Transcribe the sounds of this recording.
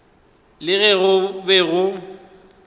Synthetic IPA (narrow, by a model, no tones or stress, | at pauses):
lɪɣɛɣʊbɛɣʊ